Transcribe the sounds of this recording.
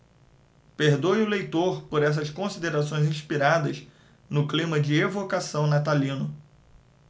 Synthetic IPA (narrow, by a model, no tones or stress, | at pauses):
peɾd̪ojʊlejt̪oɾpoɾɛs̬ɐskõsid̪eɾasõj̃zĩʃpiɾad̪ɐz | nʊklĩmɐd͡ʒɪevokasɐ̃w̃nat̪alĩnʊ